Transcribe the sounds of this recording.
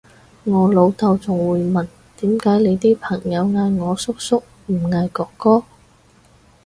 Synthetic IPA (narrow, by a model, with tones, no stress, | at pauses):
ŋɔː˨˧lo˨˧wt̪ɐ˧wt͡sʊ˨˩ŋwuː˨˧jmɐ˨˩n | t̪iː˨˥mkaː˨˥jle˨˧jt̪iː˥pʰɐ˨˩ŋjɐ˨˧wŋaː˧jŋɔː˨˧sʊ˥k̚sʊ˥k̚ | m̩˨˩ŋaː˧jkɔː˧kːɔː˥